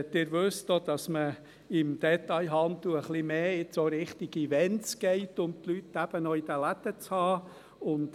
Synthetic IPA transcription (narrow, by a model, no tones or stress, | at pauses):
ɛtːɪːɾʋʉstod̥̪ɑsmə | ɪmd̥̪ɛt̪ɑɪɦɑnt̪uəχlimeːɪt͡soɾɪχtiɡivɛnsɡ̥ɛɪtʊmt̪lytːæb̥ənɔid̥əlæt̪ət͡shɑː | ʊnt